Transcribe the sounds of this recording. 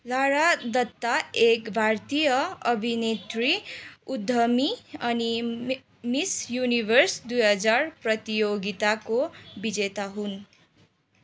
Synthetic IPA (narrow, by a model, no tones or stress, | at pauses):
laɽad̪ʌt̪ːaekbʱart̪ijʌʌbʱinet̪riud̪ʱːʌmiʌni | misjunibʱʌrsd̪ujɦʌd͡zarprʌt̪ijoɡit̪akobid͡zet̪aɦun